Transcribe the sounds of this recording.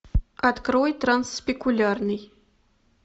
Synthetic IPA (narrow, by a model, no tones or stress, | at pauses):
at̪kɾojt̪ɾanspʲekulʲarnɨj